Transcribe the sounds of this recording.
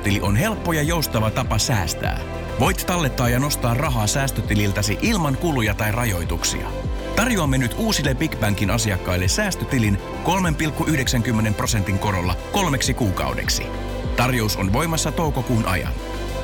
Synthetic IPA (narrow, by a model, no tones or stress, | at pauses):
t̪iliʔo̞nɦe̞lpːo̞jɑjo̞ust̪ɑʋɑt̪ɑpɑsæːst̪æ̰ː | ʋo̞jt̪t̪ɑlːe̞t̪ːɑːjɑno̞st̪ɑːrrɑɦɑːsæːst̪øt̪ililt̪æsiʔilmɑŋkulujɑt̪ɑjrɑjo̞jt̪uksḭɑ̰ | t̪ɑrjuɑmːenyt̪uːsilːepikbæŋkinɑsiɑkːɑjlːe̞sæːst̪øt̪ilin | ko̞lme̞mpilkːuʔyhdeksæŋk̟ymːe̞nemprose̞nt̪iŋko̞ɾo̞lːɑko̞lme̞ksikuːkɑ̰wdḛksḭ | t̪ɑrjo̞uso̞nʋo̞jmɑsːɑt̪o̞wko̞kuːnʔɑ̰jɑ̰n